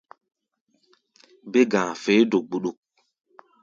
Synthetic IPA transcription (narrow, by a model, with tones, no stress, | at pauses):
be˦ɡã˨fe˨˦do˨k̚ɡ͡bu˨ɗu˦k̚